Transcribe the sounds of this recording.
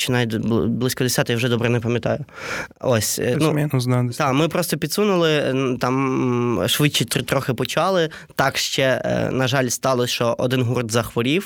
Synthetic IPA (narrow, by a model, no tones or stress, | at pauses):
t͡ʃɪnɑjblˠɪsʲkɔd̪esʲɑt̪ɪjwʒɛd̪ɔbɾɛnɛpɐmʲjɐt̪ɑ̰jʊɔsʲnumʲinʊznɑd̪d̪ɑmɪpɾɔst̪ɔpʲid̪sunʊlˠɪt̪ɑm | ʃʋɪt͡ʃit̪t̪ɾɔxɪpɔt͡ʃɑlˠɪ | t̪ɑkʃt͡ʃɛnɐʒɑlʲst̪ɑlˠɔʃt͡ʃɔʔɔd̪ɪnɦurd̪zɐxʋɔɾʲiw